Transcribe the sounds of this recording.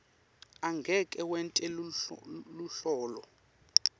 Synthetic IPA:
aŋɡʱɛkʼɛwɛntʼɛl | luɬɔːlɔ

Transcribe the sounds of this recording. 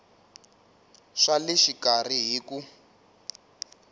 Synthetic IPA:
ʂaliʃikariɦiːku

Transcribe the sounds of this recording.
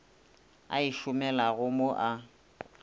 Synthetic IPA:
a̰ɪʃʊmɛlaɣʊmoʔa

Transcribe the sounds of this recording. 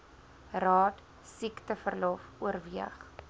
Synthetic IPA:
rɑːt | siktəfərlɔfuərviəχ

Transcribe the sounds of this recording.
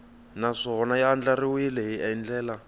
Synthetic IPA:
naʂɔɔnajaand͡ɮariwilɛɦiʔaind͡ɮɛːla

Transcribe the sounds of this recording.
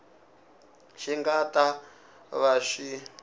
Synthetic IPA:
ʃiŋɡata | βaʂi

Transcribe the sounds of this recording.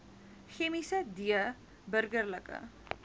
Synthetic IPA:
xemisədiə | bərɡərləkə̰

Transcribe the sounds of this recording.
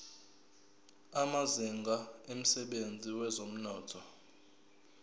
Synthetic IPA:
amaziŋɡʱaem̩sɛɓend͡zʱiwɛzom̩nɔːtʰɔ

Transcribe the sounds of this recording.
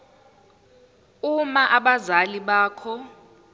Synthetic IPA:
umaʔaɓazaliɓaːkʰɔ

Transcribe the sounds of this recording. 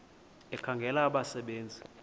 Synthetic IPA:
ɛkʰaŋɡʱɛlaːɓasɛɓeːnd͡zʱi

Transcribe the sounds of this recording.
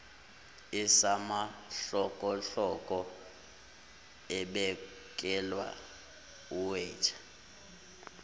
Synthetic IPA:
isamaɬɔkʼɔɬɔkʼɔ | ɛɓɛ | kʼɛlwa̰ | uwɛ̥ːt͡ʃʰʼḁ

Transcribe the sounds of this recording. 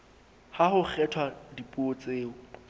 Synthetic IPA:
hahʊk͡xʰɛtʰwadipʼuot͡sʼeːʊ

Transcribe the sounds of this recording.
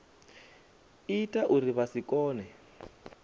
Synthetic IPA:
itʼaʔuriβasikʼɔːnɛ

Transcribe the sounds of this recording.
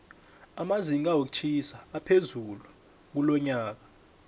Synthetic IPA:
amaziŋiɡ̬awok̬u̥t͡ʃʰisaːpʰezulu | k̬ulɔɲaːk̬ḁ

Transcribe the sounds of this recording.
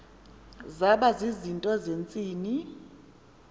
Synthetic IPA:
zaɓazizintʼɔzent͡sʼiːni

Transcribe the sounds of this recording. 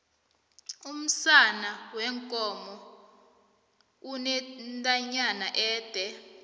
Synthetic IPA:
um̩sanawɛŋkʼɔmɔ | unɛntʼaɲanaʔɛːd̥ʱɛ

